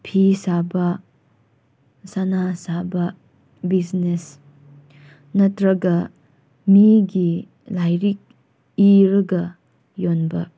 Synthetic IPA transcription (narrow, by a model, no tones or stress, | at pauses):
pʰisabɐ | sanasabɐ | bid͡ʒnes | nɐtɾɐɡɐ | miɡi | lajɾik̚ | iɾɐɡɐ | jonbɐ